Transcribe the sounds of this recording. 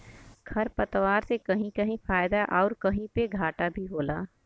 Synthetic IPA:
ɡʱʰɐɾpɐt̪ʋaːɾsekɐɦĩkɐɦĩfaːjd̪aʔɔːɾkɐɦĩpeɡʱaːʈabʱiɦoːlaː

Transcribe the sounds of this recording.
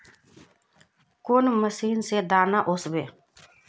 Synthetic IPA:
konməsiːnsed̪aːnaʔosbeː

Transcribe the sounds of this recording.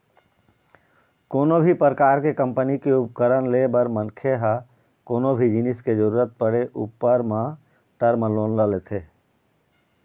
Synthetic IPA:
koːnobʱipɾəkaːɾkekə̃mpənikeup̚kəɾənlebəɾmənkʰeɦa | koːnobʱid͡ʒinɪsked͡ʒəɾuːɾət̪̚pəɽeʔṵpːəɾmã | ʈəɾməloːnləlet̪ʰe

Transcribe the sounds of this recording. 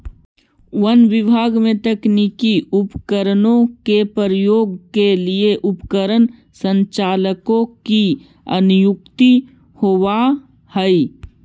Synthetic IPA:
wənʋɪbʱaːɡmẽt̪əknikiʊpkəɾənõkepəɾəjoːɡkelieʔʊpkəɾən | sə̃ɲt͡ʃaːləkõki | ə̰nʊjʊkt̪i | howa | hɛi

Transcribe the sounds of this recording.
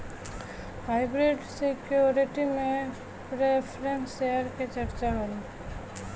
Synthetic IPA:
haːɪbɾeɖsɪkjoɾɪʈimẽ | pɾepʰɾẽnsʃeɦəɾket͡ʃɐɾt͡ʃabəni

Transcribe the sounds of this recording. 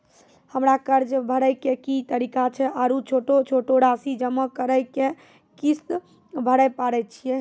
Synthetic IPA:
həmɾakəɾd͡ʒbʱəɽəjkekit̪əɾikat͡ʃʰɛʔaɾut͡ʃʰoʈot͡ʃʰoʈoɾasid͡ʒəməkəɾəjke | kist̪ | bʱəɽɛpaɽɛt͡ʃʰijɛ

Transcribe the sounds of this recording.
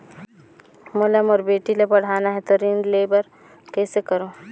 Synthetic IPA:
mʊləmɔːɾbeːʈilepɐɽ̤aːnaɦɛ̃t̪oɾinɖleːbəɾ | kɛːsekəɾoː

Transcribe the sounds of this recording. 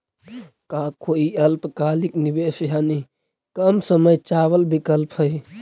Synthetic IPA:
kakʰoiəlpkaːliknibesɦani | kəmsəməjt͡ʃaʋəlbikəlpɦəj

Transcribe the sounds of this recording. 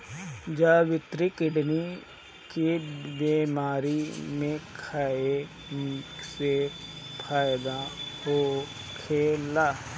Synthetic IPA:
d͡ʒaːʋɪt̪ɾikɪɖni | kibeːmaːɾimẽkʰaːe | sepʰaːjd̪ahoː | kʰeːlaː

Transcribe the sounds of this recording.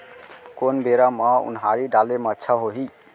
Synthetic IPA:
konbeɾamãṵnɦaɾiɖalemətːʃʰaɦoɦi

